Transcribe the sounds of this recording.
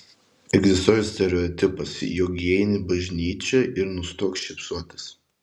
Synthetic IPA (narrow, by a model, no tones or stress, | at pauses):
ɛɡzʲɪst̪oːjɛsʲt̪ʲɛɾʲɛɔt̪ʲɪpɐsjoɡʲeɛnʲɪbɐʒʲnʲiːt͡ʃʲɛʔɪɾnʊst̪oɔksʃʲɪpsuɔt̪ɐ̥s